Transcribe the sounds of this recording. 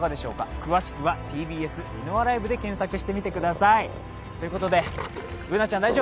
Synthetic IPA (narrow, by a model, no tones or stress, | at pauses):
ɡad̪e̞ɕo̞ːka̰kɯ̟βaɕi̥kɯ̟βat̪ʰiːbʲiːe̞sɨinoβaɾaibɯ̟d̪e̞kẽ̞ɰ̃sakɯ̟̥ɕi̥t̪e̞mʲit̪e̞kɯ̟d̪asai | t̪o̞jɯ̟ko̞t̪o̞d̪e̞ɯ̟nat͡ɕãnd̪aiʑo